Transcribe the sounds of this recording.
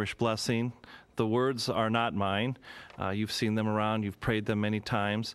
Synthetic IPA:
ɨʃb̥lɛsɪ̃ŋðəwɜ˞dzə˞nət̚mãɪ̃njʉv̥sĩnðə̃mə˞ãʊ̃ndjʉv̥pʰɹ̥eɪd̪̚ðɨ̃mːɛñitʰãɪ̃mz̥

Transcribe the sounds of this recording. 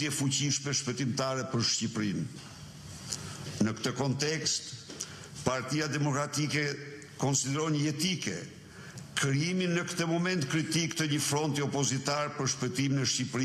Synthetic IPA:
ɛfuciʃmɛʃpɛt̪imt̪aɾɛpəɾʃcipɾin | nəkt̪əkɔnt̪ɛkst̪ | paɾt̪iad̪ɛmɔkɾat̪ikɛ | kɔnsid̪ɛɾɔɲəɛt̪ikɛ̰ | kɾiiminəkt̪əmɔmɛnt̪kɾit̪ikt̪əɲəfɾɔnt̪iɔpɔzit̪aɾpəɾʃpɛt̪imnəʃcipɾi

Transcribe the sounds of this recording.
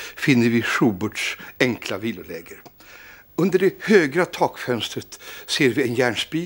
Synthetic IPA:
fɪnːəɾvɪʂuːbʊɖʂɛŋkʰlaviːlʊlɛːɡəɾ | ɵnd̪əɖɛhøːɡɾat̪ʰɑːkfœnst̪ɾət̪seːɾvɪɛnjæːɳʂbi

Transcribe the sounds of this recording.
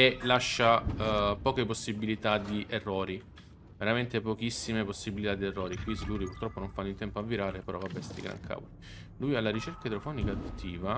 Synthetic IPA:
elaʃːapɔːkeposːibilit̪ad̪iʔerːɔːɾi | veɾament̪epok̟isːimeposːibilit̪ad̪ierːɔːɾikwisluːɾipurt̪ɾɔpːonoɱfanːint̪ɛmpoavːiɾaːɾepeɾɔkabːɛst̪ḭɡɾa̰ŋkʰa̰voli | lujalːaɾit͡ʃɛrkaed̪ɾofɔːnikad̪ut̪ʰːiːva

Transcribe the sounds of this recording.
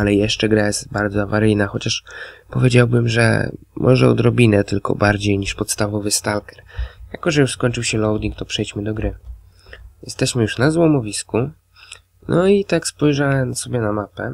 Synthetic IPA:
alɛjɛʂt͡ʂɛɡɾajɛst̪baɾd̪zɔavaɾɘjnaxɔt͡ɕaʂpɔvʲed͡ʑawbɘmʐɛ̰ | mʔɔʐɛɔ̰d̪ɾɔbʲinɛt̪ɘlkɔ̰baɾd͡ʑejɲiʂpɔt̪st̪avɔvɘst̪alkɛ̥ɾjakɔʐɛjuʂskɔɲʲt͡ʂɨwɕɛlɔwd̪ʲiŋk̚t̪ɔpʂɛjt͡ɕmɘd̪ɔɡɾɘ | jɛst̪ɛɕmɘjuʂnazwɔmɔvʲisku | nʔɔit̪akspɔjʐawɛmsɔbʲjɛnamapɛ̰

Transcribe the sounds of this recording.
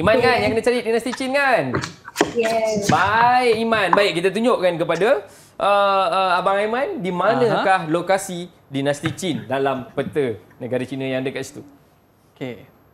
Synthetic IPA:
imãnkanjaŋkənãt͡ʃaɾit̪̚dinast̪it͡ʃinkan | ɛbaɪʔimanbaiʔ̚kit̪at̪̬uɲoʔkankəpada | ʔəəabaŋajmandimanə̃kahlokasi | dinast̪it͡ʃindalampət̪ənə̃ɡaɾat͡ʃinə̃jaŋadəkaʔsi̥t̪u | ke

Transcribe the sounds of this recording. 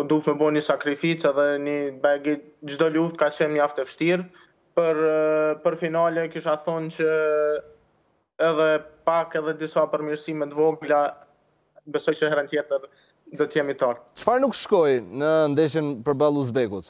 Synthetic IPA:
d̪ufmɛbɔnisakɾifit͡sɛðɛnibɛɡid͡ʑd̪ɔluft̪̚kat͡ɕɛnmaft̪ɛfəʃt̪iɾ | pəɾpəɾfinalɛkiʃaθɔnt͡ɕə | ɛðɛpakɛðɛd̪isapəɾmiɾsimɛt̪vɔɡla | bɛsɔjt͡ɕəhɛɾənt̪jɛt̪əɾ | d̪ɔt̪jɛmit̪aɾt̪̚t͡ʃfaɾnukʃkɔjnənd̪ɛʃ̬ənpəɾbalˠuzbɛkut̪

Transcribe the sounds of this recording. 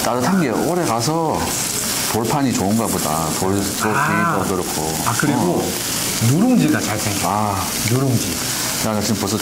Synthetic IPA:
tadɯtʰaŋɡeoɾe̞kasʰʌ | toɭpʰaɲit͡ɕoɯnɡaboda̰ | totokiiʌdʌɾkʰo | akɯɾiɡo | nuɾɯŋd͡ʑiɡat͡ɕaɭsʰeŋɡa | nuɾɯŋd͡ʑi | anat͡ɕimposʰʌ

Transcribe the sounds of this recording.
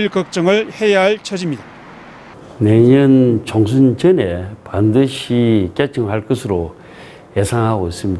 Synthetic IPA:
ɭkʌk̚t͡ɕ͈ʌŋɯɭhe̞jaɦaɭt͡ɕʰʌd͡ʑimɲida | neɲʌnt͡ɕoŋsʰunt͡ɕɯne̞pandɯɕʰik͈et͡ɕʰɯŋɦaɭk͈ɯsʰɯɾo | je̞sʰaŋɦaɡois͈ɯmɲid

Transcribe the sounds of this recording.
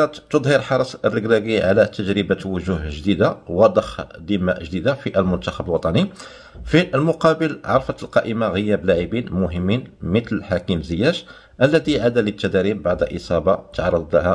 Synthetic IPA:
ɑt̪t̪od̪ˤhəɾħɑɾˤɑsˤərːəɡɾæɡiʕa̰læt̪əʒɾəbæt̪wʊʒuhʒd̪id̪awɑd̪ˤəxd̪imːæʔʒd̪id̪afiʔəlmʊnt̪axəbəlwɑt̪ˤɑni | fiʔəlmʊqɑbəlʕɑɾˤfət̪əlqɑʔəmaɣəjːæblaʕibinmʊɦəmːinmət̪ləlħakimzəjːæʒ | ʔəlːæd̪iʕad̪ælət̪ːæd̪æɾibːaʕd̪ʔəsˤɑbɑt̪ʕɑɾˤːɑd̪ˤləhæ

